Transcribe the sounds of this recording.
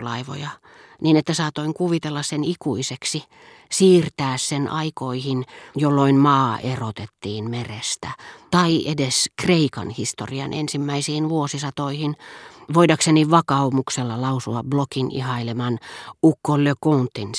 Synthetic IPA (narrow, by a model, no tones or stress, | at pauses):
lɑiʋo̰jɑ | niːnet̪ːæsɑːt̪oiŋkuʋit̪elːɑssenikuiseksi | siːrt̪æːssenʔɑikoihinjolːoinmɑːʔerot̪et̪ːiːnmerest̪æt̪ɑiʔedeskreikɑ̰nhist̪o̰riɑ̰nʔḛnsimːæisiːnʋuosisɑt̪oihinʋoidɑkseniʋɑkɑumukselːɑlɑusuɑbblokinḭhɑilemɑnukːoløkunt̪ːin